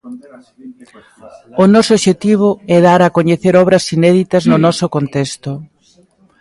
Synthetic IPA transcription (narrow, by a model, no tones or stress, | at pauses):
ʊnɔsoβʃet̪iβ̞ʊɛðaɾɐkoɲeθeɾɔβɾɐsinɛðit̪ɐznʊnɔsokont̪ɛst̪ʊ